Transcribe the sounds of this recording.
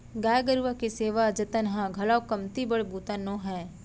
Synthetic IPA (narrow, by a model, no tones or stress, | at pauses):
ɡaːjɡəɾʋakeseːʋad͡ʒɐt̪ənɦãɡʱɐlawkɐmt̪ibəɽbuːt̪anõːɦɛː